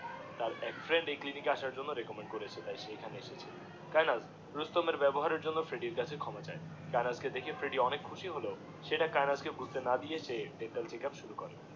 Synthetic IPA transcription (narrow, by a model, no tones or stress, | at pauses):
t̪aɾɛkfɾeɳɖejklinikeaʃaɾd͡ʑonːoɾekomeɳɖ̚koɾet͡ɕʰet̪ajʃejkʰaneeʃet͡ɕʰe | kajnaz | ɾust̪omeɾbɛboɦaɾeɾd͡ʑonːofɾeɖiɾkat͡ɕʰekʰɔmat͡ɕae | kajnasked̪ekʰefɾeɖiɔnekʰuʃiɦolo | ʃeʈakajnaskebud͡ʑʱt̪enad̪ijet͡ɕʰebeʈalt͡ɕekapʃuɾukoɾe